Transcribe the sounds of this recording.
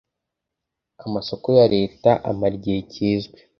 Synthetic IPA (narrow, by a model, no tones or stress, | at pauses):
amaso̞ko̞jaɾe̞ːtaʔa̰maɾɟeːcʰiːzɡwe